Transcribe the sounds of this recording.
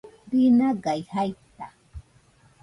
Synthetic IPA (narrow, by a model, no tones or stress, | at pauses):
ɾɪnaɢɑjhajt̪a